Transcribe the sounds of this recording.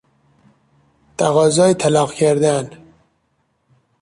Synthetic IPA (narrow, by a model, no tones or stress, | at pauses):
t̪ʰæɣɑːzɒːit̪ʰælɑːqcʰæɾd̪æn